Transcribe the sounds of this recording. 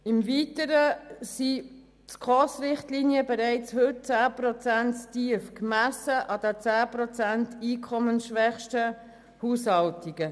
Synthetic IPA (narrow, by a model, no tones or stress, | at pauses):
ɪmviːtəɾəsi | tkʁɔsɾɪχtlinjəbɛɾɛɪt͡shɵt̚t͡sæːprɔt͡sænttiəfkmæsəʔɑd̪ət͡sæːprɔt͡sæntiːkʰɔmənʃʋɛχʃtə | huːshɑltiɡ̥ə